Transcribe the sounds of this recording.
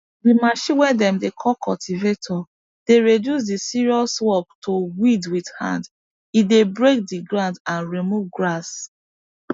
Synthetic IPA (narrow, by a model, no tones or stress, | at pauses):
dimaʃĩwɛdɛ̃mdekʰɔlkʰɔltʰivetʰɔ | d̥eɹedjus̬disiɹiɔswɔp̚towidwidhã̰nd | idebɹek̚diɡɹãndãnɹimuvɡɹas